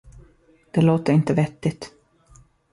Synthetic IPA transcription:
d̪̥ɛloːt̪əɾɪnt̪əvɛt̪ːɪt̪

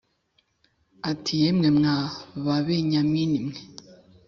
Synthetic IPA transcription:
atʰijemŋemŋaβaβeɲaminimŋe

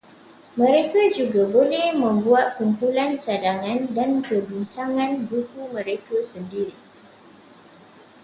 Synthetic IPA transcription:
mə̃ɾekad͡ʒuɡabolɛhmə̃mbuat̪̚kumpulant͡ʃadaŋãndankəbiɲt͡ʃaŋãnbukumə̃ɾekəsəndiɾi

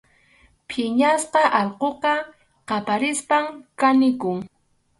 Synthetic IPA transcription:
pʰɪɲasqɑʔɑlqoqɑ | qɑpaɾɪspaŋkanɪkʊŋ

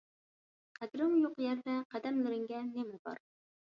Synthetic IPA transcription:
qʰæd̪ɾɨmjoqjɛɾvɛqæd̪ɛmlɨɾɪŋɡʲɛnemɪbɑ̰ɾ

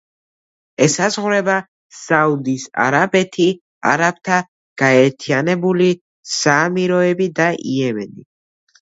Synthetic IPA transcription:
ɛsazʁɾɛba | saud̪isa̰ɾabɛt̪ʰi | a̰ɾab̚t̪ʰa | ɡ̥aɛɾt̪ʰianɛbuli | saːmiɾɔɛbid̪aʔḭɛmɛni

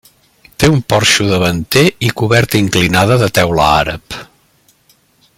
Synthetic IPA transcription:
t̪eumpɔɾʃuðəβənt̪eikuβɛɾt̪əiŋklinaðəðət̪ɛwlə̰a̰ɾə̰p

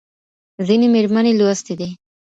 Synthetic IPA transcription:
zinemeɾmaneloast̪id̪i

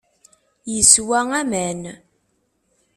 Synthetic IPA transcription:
jəswæŋæmæn

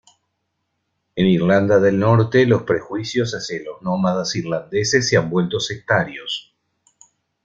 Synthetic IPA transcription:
eniɾland̪aðe̞lnoɾt̪elo̞spɾexwisjo̞saseloznomaðasiɾland̪eses̬ːeambwe̞lt̪o̞sek̚t̪aɾjos

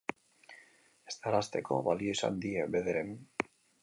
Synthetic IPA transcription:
est̪arast̪e̞kʰo̞̰βalio̞isa̰nd̪iebe̞ðeɾen

